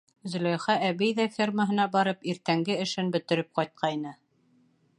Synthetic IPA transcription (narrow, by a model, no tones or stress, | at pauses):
zɵ̆lʲɑjχææβijðæfʲirməɦɤ̆nɑbɑɾɤpiɾt̪æŋɡɘɘ̆ʃɘnbɵ̆t̪ɘ̆ɾɘp̚qɑjt̪̚qʰɑjnɤ